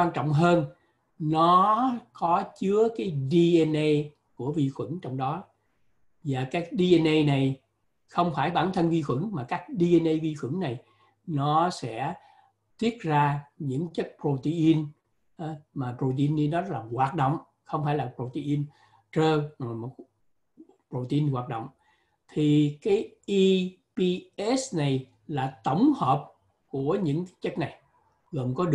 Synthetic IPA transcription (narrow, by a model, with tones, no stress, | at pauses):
waː˧nt͡ɕɔ̰˧˨wŋ͡mɦəː˧n | nɔ˨˦kɔ˨˦t͡ɕɨ˨˦əkaː˨˦jɗi˧ʔɛ˧nʔe˧j | ku˧˩əvi˧xwə̰˧˩˥nt͡ɕɔ˧wŋ͡mɗɔ˨˦ | vaː˨˩kaː˦˥k̚ɗi˧ʔɛ˧nʔe˧jna˨˩j | xə˧wŋ͡mfaː˧˩jɓaː˧˩nt̪ʰə˧nvi˧xwə̰˧˩˥ŋmaː˨˩kaː˦˥k̚ɗi˧ʔɛ˧nʔe˧jvi˧xwə̰˧˩˥ŋna˨˩j | nɔ˨˦sɛ̰˧˥ | t̪i˦˥ət̚zaː˧ɲɨ̰˧˥ŋt͡ɕə˦˥k̚pɾo˧t̪i˧ʔi˧n | ʔa˨˦maː˨˩pɾo˧t̪ə˧ʔi˧nɗi˧nɔ˨˦˥l̚aː˨˩ɣwaː˨˩t̚ɗo̰˧˨wŋ͡m | xə˧wŋ͡mfaː˧˩jlaː˨˩pɾo˧˩t̪i˧ʔi˧n | t͡ɕəː˧no˨˩jmo˨˩ | pɾo˨˩t̪ə˧i˧nɣwaː˨˩t̚ɗo̰˧˨wŋ͡m | t̪ʰi˨˩kaː˨˦jʔi˧ | pi˧ʔɛ˦˥sna˨˩j | laː˨˩t̪ə˧˩wŋ͡mhəː˨˩p̚ | ku˧˩əɲɨ̰˧˥ŋkaː˨˦jt͡ɕə˦˥t̚na˨˩j | ɣəː˨˩nkɔ˨˦ɗ